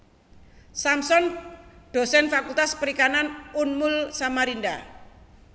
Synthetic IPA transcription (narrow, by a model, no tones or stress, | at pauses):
samsɔŋɖ̪̥o̤sɛnfakult̪aspəɾikananunmʊlsamaɾind̪a